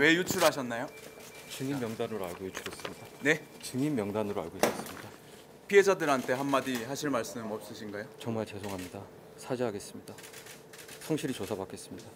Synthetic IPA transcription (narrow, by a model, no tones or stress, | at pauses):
we̞jut͡ɕʰuɾɦaɕʰʌnːajo | t͡ɕɯŋimːjʌŋdanɯɾoaɭɡojut͡ɕʰuɾes͈ɯmɲidane̞ | t͡ɕɯŋimːjʌŋdanɯɾoa̰ɭɡois͈ʌs͈ɯmɲida | pʰiɦe̞d͡ʑadɯɾɦantʰe̞ɦanmːadiɦaɕʰiɭmaɭs͈ɯmʌp̚s͈ɯɕʰinɡajot͡ɕʌŋmaɭt͡ɕe̞sʰoŋɦamɲida | sʰad͡ʑiɦaɡe̞s͈ɯmɲida | sʰʌŋɕʰiɾit͡ɕosʰabak͈e̞s͈ɯmɲida